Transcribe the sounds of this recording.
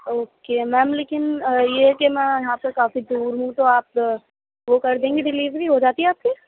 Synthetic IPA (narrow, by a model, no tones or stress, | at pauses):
oːkemɛ̃ːmleːkɪnjeɦɛkemɛ̃jɐɦãːpɐɾkaːfid̪uːɾɦũt̪oaːp̚ | ʋokɐɾd̪ẽːŋɡiɖɪliːzbʱiɦod͡ʒaːt̪iɦɛaːp̚ke